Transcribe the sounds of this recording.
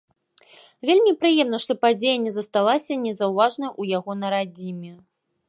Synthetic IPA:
vʲelʲmʲipɾɨjɛmnɐʂt̪ɔpad͡zʲejɐnʲɛzɐst̪alˠasʲɐnʲɛzɐwvaʐnɐʔujaɣɔnɐɾad͡zʲimʲɛ

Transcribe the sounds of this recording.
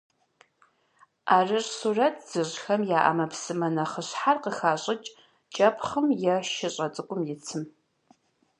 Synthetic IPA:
ʔaːrɨrsurɐtʰz̥ɨɕxɐmjaːʔɐ̰mɐpsɨmɐnɐχəɕħarqəxaːɕʼɪt͡ʃʼ | t͡ʃʼɐpʰχəmjɛʃɪɕʼɐt͡sʼɨkʷʼʊmjɪt͡sʰɨm

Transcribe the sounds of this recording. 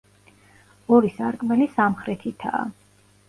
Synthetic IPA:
ɔɾisaɾkʼmɛlisamχɾɛt̪ʰit̪ʰa̰ː

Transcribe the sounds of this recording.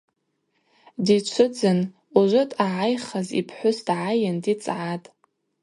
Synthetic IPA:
dit͡ʃʷʰʊd͡zɨn | uʒʷʊtʰʼaʕajχazḭpʰħʷʊsdʕajandit͡sʼʕatʼ

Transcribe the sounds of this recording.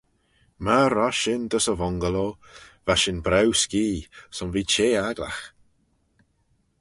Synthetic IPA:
maɾɔʃɪnd̪əsəvɔŋɡəlo | vaʃɪnbɾɛwskiːsɔnviːt͡ʃeːaɡla̰x

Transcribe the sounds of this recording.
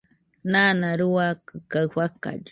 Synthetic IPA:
naːnaɾuakɨkaɸaka̰d͡ʒi

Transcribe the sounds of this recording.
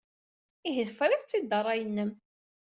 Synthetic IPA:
iɦəðfɾˤɪθt͡sːid̪ərˤːɑjənːəm

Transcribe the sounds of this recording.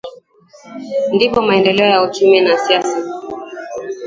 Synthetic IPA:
ndipɔmaɛndɛlɛɔjaut͡ʃuminasiasa

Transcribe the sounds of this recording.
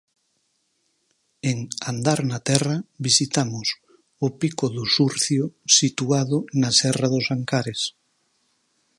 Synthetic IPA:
eŋand̪aɾnat̪ɛrɐβisit̪amʊs | ʊpikʊðʊsuɾθjʊsit̪uaðʊnasɛraðʊsaŋkaɾes

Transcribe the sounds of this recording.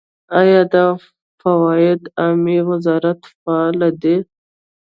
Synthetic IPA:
ajɑd̪a | fawɑɪd̪ɑmiwɪzɑɾat̪faɑlad̪e

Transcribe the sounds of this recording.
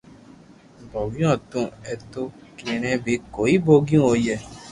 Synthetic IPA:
bɔwĩɔ̃tũɛtokiɾĩɾ̃ɛ̃bekoiboɡĩojɛ

